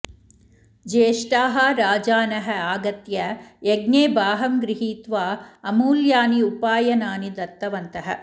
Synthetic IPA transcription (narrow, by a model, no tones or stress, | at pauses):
d͡ʒeːʂʈaːɦɐɾaːd͡ʒaːnɐɦɐaːɡɐt̪jɐeɡneːbaːɦɐmɡɾiɦiːt̪ʋaːɐmuːljaːniupaːjɐnaːnid̪ɐt̪ːɐʋɐnt̪ɐɦɐ̰̆